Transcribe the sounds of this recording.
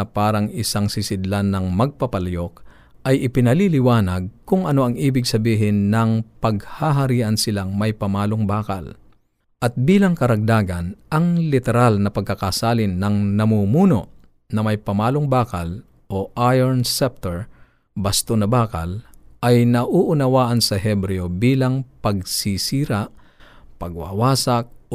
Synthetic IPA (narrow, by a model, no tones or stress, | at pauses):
ɐpaːɾɐŋɪsaŋsɪsɪd̪lanːɐŋmɐɡ̚pɐpɐlɐjo̞k̚ | ʔɐjʔɪpɪnɐlilɪwaːnɐɡ̚kʊŋʔɐnoʔɐŋʔiːbɪɡsɐbiːɦɪnːɐŋpɐɡhaɦɐɾiːʔɐnsɪlaŋmɐjpɐmaːloŋbaːkɐ̰l | ʔɐt̪̚biːlɐŋkɐɾɐɡ̚d̪aːɡɐnʔɐŋlɪt̪ɛɾalnɐpɐɡ̚kɐkasaːlɪnːɐŋnɐmuːmuːno̰ʔ | nɐmɐjpɐmaːloŋbaːkɐl | ʔoʔajɛɹnsɛp̚t̪ɛɹ | bɐst̪onɐbaːkɐ̰lʔɐjnɐʔuʔʊnɐwaːʔɐnsɐɦɛbɾɛobiːlɐŋpɐɡ̚sisiːɾaʔ | pɐɡ̚wa̰waːsɐk̚